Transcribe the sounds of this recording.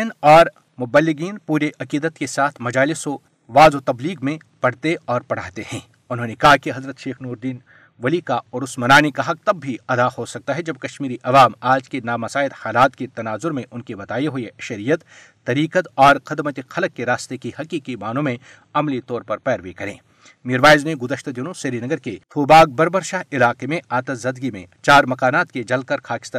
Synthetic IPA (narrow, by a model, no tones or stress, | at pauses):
nɔːɾ | mʊbɐlːɪɡiːnpuːɾeʔɐkiːd̪ət̪kesaːt̪ʰmɐd͡ʒaːlɪso | ʋaːzot̪ɐbliːɡmẽ | pɐɽ̤t̪eɔːɾpɐɽ̤aːt̪ehɛ̃ː | ʊnɦõːnekɐɦakiɦɐzɾət̪ʃeːxnuːɾd̪iːn | ʋɐlikaʔɔːɾʊsmɐnaːnikaɦɐq̚t̪ɐbːʱiɐd̪ahosɐk̚t̪aɦɛd͡ʒɐb̚kɐʃmiːɾiʔɐʋaːmaːd͡ʒkenaːmɐsaːɪd̪haːlaːt̪ket̪ɐnaːzʊɾmẽʔʊnkibɐt̪aːeɦʊiʔɐʃɐɾijət̪ː | ɐɾiːkət̪ɔːɾxɐd̪mət̪ixʰɐləkːeɾaːst̪ekihɐkiːkimaːnõmẽ | ɐmlit̪ɔːɾpɐɾpɛːɾʋekɐɾḛ̃ː | miɾʋaːɪznẽɡʊzəʃt̪ad͡ʒʊnõseːɾinɐɡəɾketʰuːbaːɡ̚bɐɾbəɾʃaːɦɪlaːqemẽaːt̪ət̪zɐd̪ɡimḛ̃t͡ʃaːɾmɐkaːnaːt̪ked͡ʒɐlkɐɾkʰaːkɪ̥st̪ə